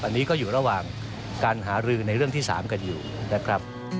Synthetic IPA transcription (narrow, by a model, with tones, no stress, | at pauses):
ʔa˧nːiː˦˥kɔː˥˩juː˨˩ɾa˧waː˨˩ŋ | kaː˧nɦaː˩˦˥ɾɯː˧na˧jɾɯ˥˩əŋt̪iː˥˩sa̰ː˩˦mka˧njuː˨˩ | na˦˥kʰɾa˦˥p̚